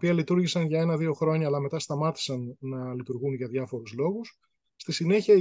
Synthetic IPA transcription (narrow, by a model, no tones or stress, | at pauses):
piɐlit̪uɾʝisɐnʝɐe̞nɐðio̞xɾo̞ɲɐːlɐme̞t̪ɐst̪ɐmɐt̪i̥sɐnːɐlit̪uɾɣunʝɐðʝɐfo̞ɾuzlo̞ɣus | st̪isine̞çiɐ